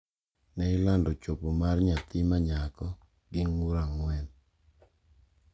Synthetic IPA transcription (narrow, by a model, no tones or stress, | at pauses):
nɛɪlandɔt͡ʃopomarɲat̪ɪmaɲakɔ | ɡɪŋuɾaŋwɛn